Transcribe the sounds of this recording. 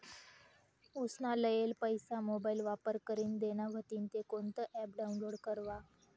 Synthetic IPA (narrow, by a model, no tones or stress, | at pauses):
usnaləjelpəjsamobailʋapəɾkəɾiːnd̪eñaʋʱət̪iːnt̪ekont̪əʔɛp̚ɖaunloɽkəɾʋa